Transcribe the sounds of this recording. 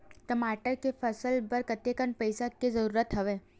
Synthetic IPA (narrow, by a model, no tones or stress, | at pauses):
ʈəmaːʈəɾkepʰəsəlbəɾkət̪ekənpəjsakezəɾuːɾət̪ɦəʋeː